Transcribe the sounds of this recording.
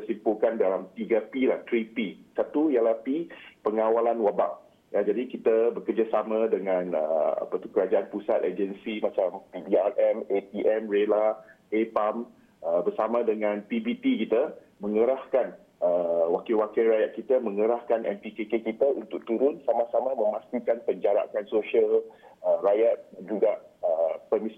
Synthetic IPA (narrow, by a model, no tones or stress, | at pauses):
əsimpulkandalamt̪iɡapilaht̪ɾipisat̪ujalahpipəŋawalanwabaʔ | jad͡ʒadikit̪abəkərd͡ʒasamãdəŋãnə̰a̰pət̪u̥kəɾad͡ʒaʔanpusat̪̚ed͡ʒənsimãt͡ʃampibiarʔɛmet̪iʔɛmrela | epam | əbərsamãdəŋãnpibit̪ikit̪a | mə̃ŋəɾahkan | əwakiwakilɾajaʔ̪̚kit̪amə̃ŋəɾahkanʔɛ̰mpikekekit̪aunt̪ʊk̚t̪uɾʊnsamasamãmə̃mãst̪ikanpəɲd͡ʒaɾa̰kansoʃial | ərajat̪̚dand͡ʒuɡaəpəmis